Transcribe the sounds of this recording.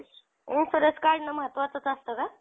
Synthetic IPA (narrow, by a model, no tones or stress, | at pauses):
ifəɾəskaɾnəməɦət̪ːʋat͡sət͡sast̪əka